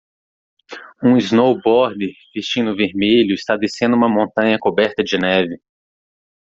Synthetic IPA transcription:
ũiznowbɔɾd̪eɾv̥est͡ʃĩnʊveɾmeʎʊɪst̪ad̪esẽnd̪ʊũmɐmõnt̪ɐ̃ɲɐkobɛɾt̪ɐd͡ʒɪnɛvɪ

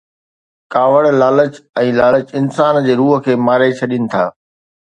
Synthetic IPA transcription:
kaːʋəɽlaːlət͡ɕɛ̃ːlaːlət͡ɕɪnsaːnd͡ʑeːɾuːɦə̆kʰeːmaːɾet͡ɕʰɐɗɪnɪ̆t̪ʰa̰ː

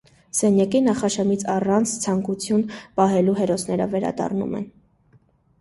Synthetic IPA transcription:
sɛnjɑkinɑχɑʃɑmit͡sʰɑrɑnt͡sʰt͡sʰɑŋkut͡sʰjunpɑɦɛluɦɛɾɔsnɛɾə̰vɛɾɑ̰d̪ɑ̰rnṵmɛ̰n

